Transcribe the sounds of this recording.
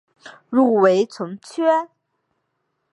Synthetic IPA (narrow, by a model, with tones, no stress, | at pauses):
ɻu˥˩we˧˥ɪt͡sʰʊ˧˥ŋt͡ɕʰɥɛ˥